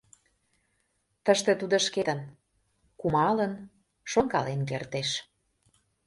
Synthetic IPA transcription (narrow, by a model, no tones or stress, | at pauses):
t̪əʃt̪ĕt̪ud̪oʃket̪ən | kumɑlən | ʃoŋkɑ̰lenkert̪eʃ